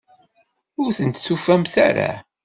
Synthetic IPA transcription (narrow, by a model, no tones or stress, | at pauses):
ʊɾθənt̪sufæmθæ̰ɾa̰